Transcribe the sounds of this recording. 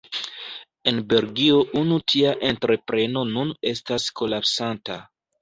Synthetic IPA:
e̞nbe̞lɡio̞ʔunutʰiaʔe̞ntɾe̞pɾe̞no̞nune̞stasko̞lapsanta

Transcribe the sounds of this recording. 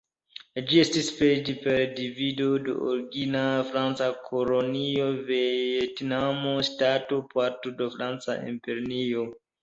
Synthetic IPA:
d͡ʒie̞stisped͡ʒipe̞ɾdivido̞do̰o̰ɾiɡinafɾant͡sakʰolonio̞vejetnamostato̞paɾtodofɾant͡sa̰ʔḭmpeɾinio

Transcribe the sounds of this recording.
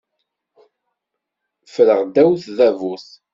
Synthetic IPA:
fɾəʁd̪æwθðævuθ

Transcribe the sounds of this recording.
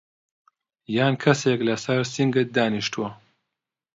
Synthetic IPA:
jaːnkʰɐseːklɐsɐɾsiŋɡɨt̪̚d̪aːniʃt̪uwɐ

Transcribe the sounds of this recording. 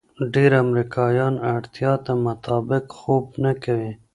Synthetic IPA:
ɖeɾamɾikɑːjɑːnaɽt̪ijɑːt̪amʊt̪ɑːbɪqxoːbnakawi

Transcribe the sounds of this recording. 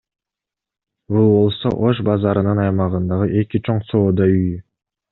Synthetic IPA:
bulˠbo̞lˠso̞̰ʔoʃ̬bɑzɑɾɯnɯnɑjmɑʁɯnd̪ɑʁɯʔe̞kit͡ʃʰo̞ɴso̞ːd̪ɑyjy

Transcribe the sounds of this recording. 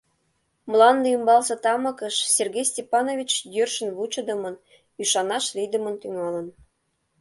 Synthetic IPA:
mlˠɑnd̪ɤ̆ymbɑlsɤ̆t̪ɑmɤ̆kə̆ʃserɡʲejsʲtʲepɑnovʲit͡ɕjørʃə̆nβut͡ɕɤ̆d̪ɤ̆mɤ̆n | yʃɑnɑʃlʲid̪ə̆mə̆nt̪yŋɑlə̆n

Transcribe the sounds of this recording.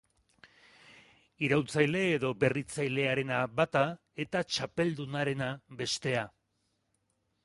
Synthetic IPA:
iɾawt͡sajle̞ːðo̞be̞rit͡sajle̞aɾe̞naβat̪a | e̞t̪at͡ʃape̞ld̪unaɾe̞nabe̞st̪e̞a

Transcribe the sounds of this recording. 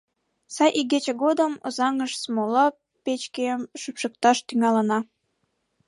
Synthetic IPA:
sɑjʔiɡet͡ɕeɣod̪əmo̰zɑŋəʃsmolɑ | pet͡ɕkeəmʃypʃək̚t̪ɑʃt̪yŋɑlənɑ

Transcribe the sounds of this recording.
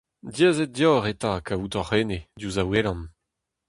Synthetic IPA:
djezɛt̚djɔʁet̪akautɔʁened̪juzawelɑ̃n

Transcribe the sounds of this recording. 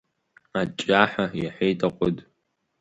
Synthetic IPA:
at͡ʃʼaħajaħʷejtʼaqʷʼʊd

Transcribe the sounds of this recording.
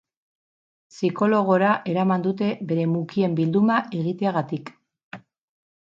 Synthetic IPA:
siko̞lo̞ɣ̞o̞ɾaʔe̞ɾamand̪ut̪e̞be̞ɾe̞mukie̞mbild̪umaʔe̞ɣit̪e̞aɣat̪ik

